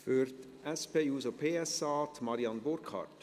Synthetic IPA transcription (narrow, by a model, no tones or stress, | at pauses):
føːɾt̪ | ɛspeːjʉːsopʰeːɛsɑːt̪mɑɾɪɑnboɾkʰɑ̰ɾt̪